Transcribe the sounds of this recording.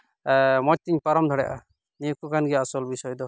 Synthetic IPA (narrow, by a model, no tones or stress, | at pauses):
mɔt͡ʃ̚t̪iɲpaɾɔmd̪ʱɔɽɛja̰ʔa̰ | niukukanɡɛaːsɔlbisɔjɔd̪ɔ